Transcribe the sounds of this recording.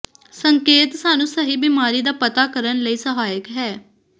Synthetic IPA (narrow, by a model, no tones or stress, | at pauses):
səŋkeːt̪saːnũːsəɦiːbiːmaːɾiːd̪aːpət̪aːkəɾənləiːsəɦaːjəkɦɛː